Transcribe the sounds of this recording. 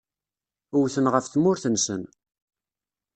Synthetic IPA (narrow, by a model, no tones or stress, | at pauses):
ʊwθənʁəfθmʊɾθənsə̰n